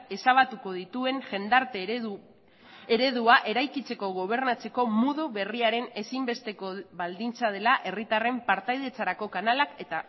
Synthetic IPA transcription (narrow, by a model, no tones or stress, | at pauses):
e̞saβ̞at̪uko̞ð̞it̪ue̞ŋʝe̞nd̪aɾt̪e | eɾe̞ðuaʔe̞ɾajkit͡se̞ko̞ɣ̞o̞β̞e̞ɾnat͡se̞ko̞muðuβe̞riaɾe̞ne̞simbe̞st̪eko̞βald̪int͡sað̞e̞laʔe̞rit̪are̞mpaɾt̪ajðe̞t͡saɾako̞kanalake̞t̪a